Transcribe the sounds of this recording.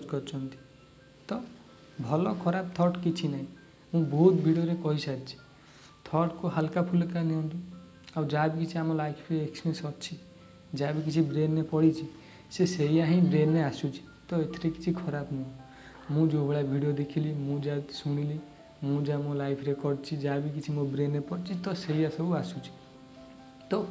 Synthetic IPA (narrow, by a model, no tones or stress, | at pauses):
ɔd͡ʒkɔɾt͡ʃʰɔnt̪i̥ | t̪ɔ | bʱɔlɔkʰɔɾab̚t̪ʰɔɾʈkit͡ʃʰinaɦĩ | mũbɔɦut̪bʱiɽioɾekɔɦisadt͡ʃʰi̥ | t̪ʰɔɾʈkoɦalkapʰulkaniɔ̃nd̪i | awd͡ʒabikit͡ʃʰiamɔlajkʰɾeeksmẽsɔtt͡ʃʰi | d͡ʒabik̬it͡ʃʰibɾenːepɔɽit͡ʃʰi | seseijaɦĩbɾenːeasut͡ʃʰi̥t̪ɔet̪ʰiɾeki̥t͡ʃʰikʰɔɾapnɔ | mũd͡ʒobeɽabʱiɽijod̪ekʰilimũd͡ʒasuɽ̃ili | mũd͡ʒamõlajpʰɾekɔɾɖ̚t͡ʃʰid͡ʒabikit͡ʃʰimobɾenːepɔɽt͡ʃʰit̪ɔseijasɔbuasut͡ʃʰi̥ | t̪ɔ